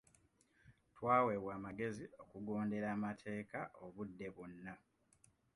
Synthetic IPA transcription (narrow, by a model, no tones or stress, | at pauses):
twaːweβwaːmaɡe̞zio̞kuɡo̞ːnde̞ɾaːmatʰe̞ːkaʔo̞βudːe̞βunːa